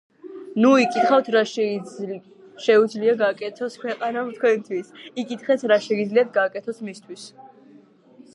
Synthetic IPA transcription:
nuikʼit̪χawt̪ʰɾa | ʃɛud̪zliaɡaːkʼɛt̪ʰɔskʰwɛqʼanamt̪̚ʰkʰwɛnt̪ʰwisikʼit̪χɛsʰɾaʃɛɡid̪zliat̪̚ʰɡaːkʼɛt̪ʰɔsmist̪ʰwis

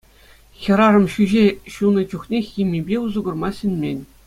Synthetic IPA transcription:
xʲɤ̆ɾɑrɤ̆mɕyʑeɕunɤ̆t͡ɕuχnʲexʲimʲibʲeuzuɡɤ̆rmɑɕɘ̆nʲmʲenʲ

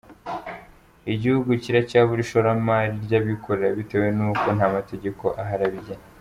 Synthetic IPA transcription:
iɟihuɡuciɾacaβuɾiʃoɾamaːɾiɾɟaβikʰo̞ɾe̞ɾaβite̞ːwe̞nuːko̞nhaːmate̞ɟe̞ko̞ʔaɦaɾaβiɟa

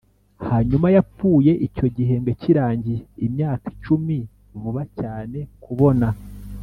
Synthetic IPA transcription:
haɲumajap͡fuːje̞ʔico̞ɟiɦe̞ŋɡeciɾaːɲɟiːmɲaːki̥t͡ʃumi | vuβacaːne̞kuβo̞na

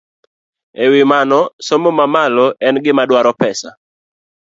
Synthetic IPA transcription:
ewɪmanɔsomomamalɔʔɛnɡɪmadwaɾɔpɛsa̰

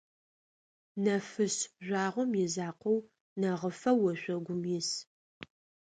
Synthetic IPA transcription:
nɐfɨɕʒʷaːʁʷɔmjɪzaːqʷɔw | nɐʁəfɐwɔɕʷɔɡʷʊmjɪs

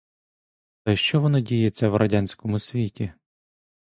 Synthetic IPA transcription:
t̪ɐjʃt͡ʃɔʋɔnɔdʲijet͡sʲːɐwɾʔɐdʲanʲsʲkɔmʊsʲʋʲitʲi

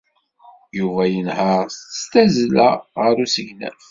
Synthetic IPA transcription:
juvæjənhəʁst̪ə̥st̪æzlæʁəɾusəʝnæ̰f

